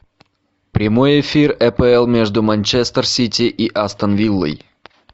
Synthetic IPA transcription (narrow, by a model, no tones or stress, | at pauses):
pɾʲɪmo̞jɪfʲirɛpəɛlˠmʲeʐd̪ʊmɐnʲt͡ɕest̪ərsʲitʲɪʔiʔast̪ənvʲilˠːə̰j